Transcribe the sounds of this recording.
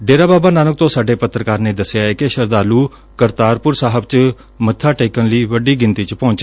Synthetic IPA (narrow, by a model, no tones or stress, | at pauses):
ɖeːɾaːbaːbaːnaːnək̚t̪õːsaːɖeːpət̪ɾəkaːɾneːd̪əsːjaːɛkɪʃəɾd̪aːluː | kəɾt̪aːɾpʊɾsaːɦəb̚t͡ʃ | mət̪ʰːaːʈeːkənliːʋəɖiːɡɪnt̪iːt͡ʃpɔ̃ːɲt͡ʃ